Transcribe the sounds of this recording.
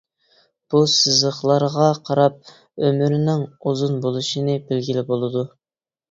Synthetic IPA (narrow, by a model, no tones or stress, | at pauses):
b̥usɨzəχlˠɑɾʁɑqʰɑɾɑp̚ | ømyɾɪnɪŋuzunbolˠuʃinɨbɪlɡʲilɪbolˠɨd̪u